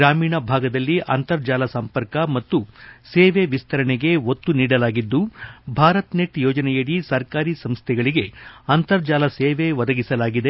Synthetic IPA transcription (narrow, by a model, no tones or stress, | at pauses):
ɾaːmiːɳɐbʱaːɡɐd̪ɐlːiʔɐ̰nt̪ɐɾd͡ʒaːlɐsɐmpɐɾkɐmɐt̪ːuseːʋeʋist̪ʰɐɾɐɳɛɡe̞ot̪ːuniːɽɐlaːɡid̪ːubʱaːɾɐt̪neʈjɔːd͡ʒɐnɛjɐɽisɐɾkaːɾisɐmst̪ʰɛɡɐɭiɡe̞ɐnt̪ɐɾd͡ʒaːlɐseːʋeʋɐd̪ɐɡisɐlaːɡid̪e